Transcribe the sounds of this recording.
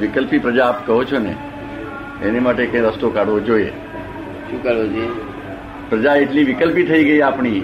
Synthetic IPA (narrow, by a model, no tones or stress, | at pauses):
ʋɪkəlpipɾəd͡ʒaːpkəɦot͡ʃʰonḛ | enemaʈekẽj̃ɾəst̪okaɽʋod͡ʒoiḛ | ʃũkəɾod͡ʒe | pɾəd͡ʒaeʈliʋɪkəlpit̪ʰəiɡəiapɳi